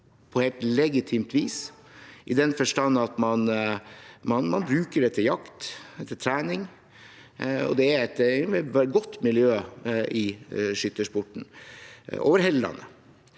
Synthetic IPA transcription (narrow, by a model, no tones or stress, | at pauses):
pʰɔheːlt̪lɛɡɪt̪ʰiːmt̪ʰʋiːs | ʔɪd̪ɛnfɔʂʈɑnːɑt̪mɑn | mɑnmɑnbɾʉːkəɖɛt̪ʰːəjɑkt̪ɛt̪ʰːət̪ʰɾæːnɪŋ | ɔ̰d̪ɛæɾɛt̪ | ɡɔt̪ːmɪljøːʔɪʂʏt̪ːəʂpʊʈɳ̩ | o̰ːʋəɾɦɛlːɑ̰nə̰